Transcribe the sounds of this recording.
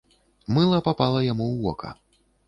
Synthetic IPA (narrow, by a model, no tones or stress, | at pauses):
mɨlˠɐpapalˠɐjamuwɔkʰɐ̰